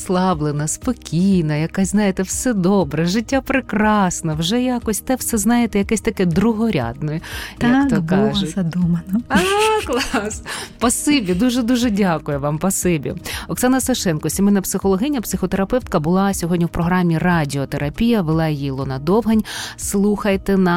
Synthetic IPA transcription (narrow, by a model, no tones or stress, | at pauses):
slˠɑblˠenɐspɔkʲijnɐjɐkasʲznɑjet̪ɛwsɛd̪ɔbɾɛʒɪtʲːapɾɪkɾɑsnɛwʒɛjakɔsʲt̪ɛwsɛznɑjet̪ɛjɐkɛsʲt̪ɐkɛd̪ɾʊɦɔɾʲa̰d̪nɔjjak̪ɔkɑʒʊt̪ʲɐd̪umɐnɔaklˠɑspɐsɪbʲid̪uʒɛd̪uʒɛdʲakʊjʊʋɑmpɐsɪbʲḭɔksɑnɐsɐʃɛnkɔsʲimɪnɐpsɪxɔlˠɔɦɪjnʲːɐpsɪxɔt̪eɾɐpɛwt̪kɐbʊlˠɑsʲɔɦɔdʲnʲiwpɾɔɦɾɑmʲːirɑdʲiɔt̪eɾʔɐpʲijɐʋelˠɑjijlˠɔnɐd̪ɔʋɦɐnʲslˠuxɐjt̪ɛnɐ